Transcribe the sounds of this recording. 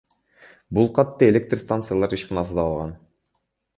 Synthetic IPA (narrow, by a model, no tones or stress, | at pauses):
bulˠqɑt̪ːɤe̞lʲek̚t̪rst̪ant̪sɨjalˠɑɾɯʃqɑnɑs̬ɯd̪ɑːlˠʁɑn